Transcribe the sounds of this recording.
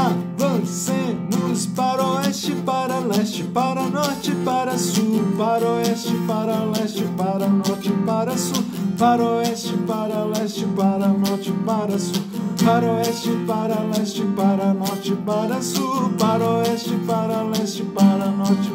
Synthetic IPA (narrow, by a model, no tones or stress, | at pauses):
avɐ̃sẽnʊspaɾoɛt͡ʃɪpaɾɐlɛst͡ʃɪ̥paɾɐnɔɾt͡ʃɪpaɾɐsupaɾoɛst͡ʃɪpaɾɐlɛst͡ʃɪpaɾɐnɔɾt͡ʃɪpaɾɐsupaɾoɛst͡ʃɪpaɾɐlɛst͡ʃɪpaɾɐnɔɾt͡ʃɪpaɾɐsu | paɾoɛst͡ʃɪpaɾɐlɛst͡ʃɪpaɾɐnɔɾt͡ʃɪpaɾɐsupaɾoɛst͡ʃɪpaɾɐlɛst͡ʃɪpaɾɐnɔɾt͡ʃɪ